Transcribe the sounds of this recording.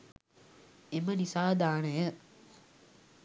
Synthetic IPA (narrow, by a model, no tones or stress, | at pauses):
emənisaːd̪aːnəjə